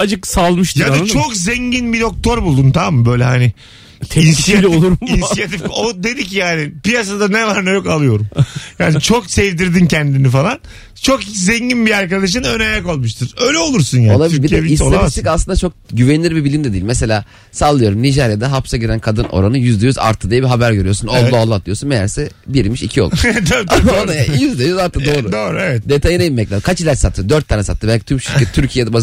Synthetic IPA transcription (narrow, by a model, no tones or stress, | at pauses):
ad͡ʒɯksalˠmɯʃt̪jad̪at͡ʃʰokzɛɲɟinbid̪o̞k̚t̪ʰo̞ɾbulˠd̪unt̪ʰamamːɯbø̞jlʲɛɦanɪ | insitolˠuɾminijat̪ifod̪e̞d̪icʰːijaːnɪpijas̬ad̪anɛvaɾnɛt͡ʃo̞kalˠɯjo̞ɾumjaːnit͡ʃʰo̞ksɛvd̪iɾd̪incʰɛnd̪inifalˠan | t͡ʃʰo̞kit͡ʃzɛɲɟinbiaɾkad̪aʃ̬ɯnønajako̞lˠmuʃt̪ʰɯɾ̥øjlʲɛo̞lˠuɾsunjaːolˠayɾieviiolait̪ikaslˠɯnd̪at͡ʃʰo̞k̚ɟyvenʲiiɾbibilʲimnd̪ɛd̪iːlʲmese̞lʲaː | salˠɯjo̞ɾumniʒɛɾjad̪aɦapsaɟiɾænkʰad̪ɯnʔo̞̰ɾanɯjyzd̪ejyza̰ɾt̪ʰːɯd̪ijbiɦabæɾɟø̞ɾyjosunoːalˠːat̪lˠɯjo̞sunejæɾsɛbiɾmiʃicʰiolˠud̪onajajyzd̪ejyzaɾt̪ʰːɯdd̪o̞ːɾud̪oːɾuevɛt̪̚d̪e̞t̪ʰajineimɛclʲaːkʰat͡ʃilʲæɾsat̪ʰɯjod̪øɾt̪ʰːaːnɛsat̪ːɯbælʲcit̪ʰymʃʰiɾʰet̪i̥t̪ʰyɾcʰijed̪ɛbaz